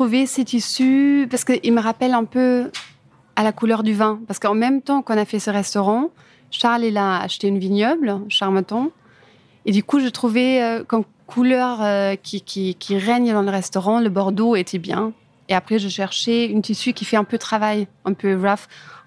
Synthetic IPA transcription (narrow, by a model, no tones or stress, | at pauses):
χuvesɛt̪isypaʁskəʔilməʁapɛlɛ̃pø | alakulœʁd̪yvɛ̃paʁsəkəɑ̃mɛmt̪ɑ̃kɔ̃nafɛsəʁɛst̪ɔʁɑ̃ | ʃaʁlelaa̰ʃt̪eynviɲjɔblʃaʁmɔt̪ɔ̃ | ed̪ykuʒət̪χuveøkɔm | kʰulœʁøkʲʰikʲʰikʲiʁɛɲd̪ɑ̃ləʁɛst̪ɔʁɑ̃ləbɔʁd̪oet̪ʰebjɛ̰̃ | eapχɛʒəʃɛʁʃeynt̪isykʲifɛɛ̃pøt̪χavaj | ɛ̃pøʁaf